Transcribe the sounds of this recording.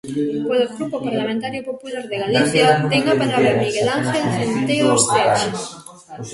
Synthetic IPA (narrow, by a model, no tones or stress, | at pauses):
koloɣɾupopaɾlamẽnt̪aɾjopopulaɾðeɣaliθjat̪eŋapeðɾaβeɾmiɣelaŋxelt̪ɾent̪ejoðost̪et͡ʃe